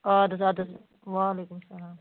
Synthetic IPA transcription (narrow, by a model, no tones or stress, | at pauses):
aːd̪ɐsad̪ɐs | ʋaːleːkʊmsɐlaːm